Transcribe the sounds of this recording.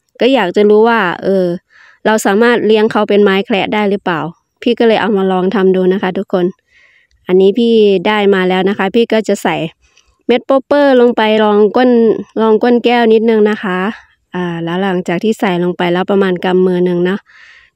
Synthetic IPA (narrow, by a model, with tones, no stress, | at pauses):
kɔː˥˩jaː˨˩k̚t͡ɕa˧˨luː˦˥waː˧˩ʔɤː˧ | la˧wsaː˨˦maː˥˩t̪̚li˧˥əŋkʰa˧˩wpe˨nmaː˦˥jkʰlɛː˧˥ʔdaː˥˩˨jlɯː˦˥paː˨˩w | pʰiː˧˥˩kɔː˧˥˩lɤː˧jʔa˨˧˩wmaː˧lɔː˧˩ŋt̪ʰa˧mduː˧˩na˦˧˥kʰa˦˥t̪ʰu˦˥kʰːo˧˨n | ʔa˧nːiː˦˥pʰiː˧˥˩daː˥˩jmaː˧lɛː˦˥wna˧˥kʰa˦˥pʰiː˧˥˩kɔː˥˩t͡ɕa˧˩˨sa˨˩j | me˦˥t̪̚po˧˥pːɤː˧˩˨lo˧ŋpa˨jlɔː˧ŋko˧˥˨nlɔː˧˩ŋko˧˥˨nkɛː˧˥˩wni˧˦˥t̪̚nɯ˧ŋna˧˥˩kʰa˦˥ | ʔaː˧˩lɛː˧˥wla˨˩˦ŋt͡ɕaː˨˩k̚t̪ʰiː˧˩sa˨˩jlo˧ŋpa˨jlɛː˦˥wpa˧maː˧nka˧mːɯː˧nɯ˧ŋnɔ˦˧˥ʔ